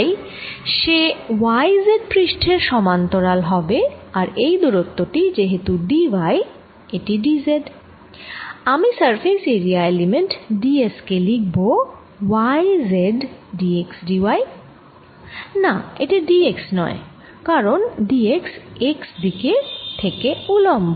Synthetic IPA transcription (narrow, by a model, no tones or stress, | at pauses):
j | ʃewajzeɖpɾiʃʈʰeɾʃɔmant̪oɾalɦɔbeaɾejd̪uɾot̪ːoʈid͡ʑeɦet̪uɖiwaj | eʈiɖizeɖ | amisaɾfʰeseɾiaelimeɳʈɖieskelik̚bo | wajzeɖɖieksɖiwaj | naḛʈiɖieksnɔ̰e | kaɾonɖiekseksd̪iket̪ʰekeulombo